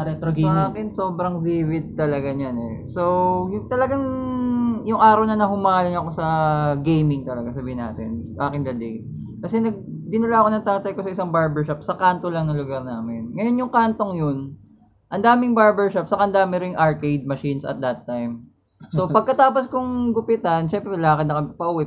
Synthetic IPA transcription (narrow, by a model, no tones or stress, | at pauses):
ɛt̪ɐaːkɪnso̞ːbɾɐŋviwɪd̪̚t̪ːɐlɐɡaɲanɛ̰ | sojʊŋt̪ɐlɐɡaŋ | jʊŋʔaːɾɐwnɐnɐɦʊmaːlɪŋɐko̞sɐɡejmɪŋt̪ɐlɐɡas̬ɐbiːhɪnːa̰ːt̪ɛ̰nsɐʔaːkɪnd̪ɐd̪ɛj | kɐsɛnɐɡ̚d̪ɪnɐlaɐko̞nɐŋt̪akt̪ɐjko̞sɐʔɪsɐŋbaɹbɛɹʃapsɐkaːnt̪o̞lɐŋnɐŋlʊɡɐɾnaːmɛnŋɐjo̞njʊŋkaːnt̪o̞ŋjon | ʔɐnd̪aːmɪŋbaɹbɛɹʃap̚sɐkaɐnd̪aːmɪɾɪŋʔɐɹkejd̪̚mɐʃinsɐ̰t̪̚d̪ɐt̪ːajm | so̞pɐɡ̚kɐt̪aːposkʊŋɡʊpɪt̪ɐnʃɛmpɾɛlaakɐt̪̚nɐkɐpɐʔʊwɛ